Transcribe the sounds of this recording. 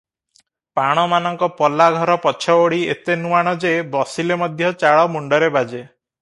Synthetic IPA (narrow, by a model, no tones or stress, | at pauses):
paɽ̃ɔmanɔŋkɔpɔlaɡʱɔɾɔpɔt͡ʃʰɔoɽiḛt̪enuaɽ̃ɔd͡ʒebɔsilemɔd̪ʱjɔt͡ʃaɭɔmuɳɖɔɾebad͡ʒe